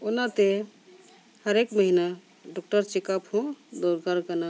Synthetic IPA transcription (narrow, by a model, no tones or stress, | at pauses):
onat̪e | həɾekməɦina | ɖɔk̚ʈəɾt͡ʃikapɦũd̪oɾkaɾkəna